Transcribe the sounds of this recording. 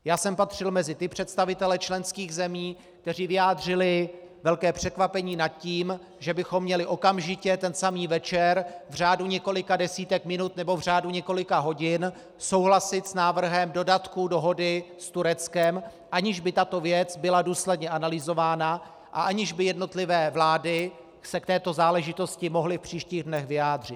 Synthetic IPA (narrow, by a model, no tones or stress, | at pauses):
jaːsɛmpat̪r̝̥ɪlmɛzɪt̪ɪpr̝̥ɛt̪st̪avɪt̪ɛlɛt͡ʃlɛnskiːɣzɛmiː | k̚t̪ɛr̝iːvɪjaːd̪rɪlɪvɛlkɛːpr̝̥ɛkvapɛɲiːnat̪̚ciːm | ʒɛbɪxo̞mːɲɛlɪʔo̞kamʒɪcɛt̪ɛnsamiːvɛt͡ʃɛɾvr̝aːduɲɛko̞lɪkadɛsiːt̪ɛkmɪnut̪nɛbo̞vr̝aːduɲɛko̞lɪkaɦo̞ɟɪn | so̞wɦlasɪt̪snaːvr̩ɦɛmdo̞dat̪kudo̞ɦo̞dɪst̪uɾɛt͡skɛm | ʔaɲɪʒbɪt̪at̪ovjɛt͡sbɪladuːslɛdɲɛʔanalɪzo̞vaːna | ʔa̰ʔaɲɪʒbɪjɛdno̞t̪lɪvɛːvlaːdɪ | sɛkt̪ɛːt̪o̞zaːlɛʒɪt̪o̞scɪmo̞ɦlɪfpr̝̥iːʃciːɣdnɛɣvɪjaːd̪r̝ɪt̪̚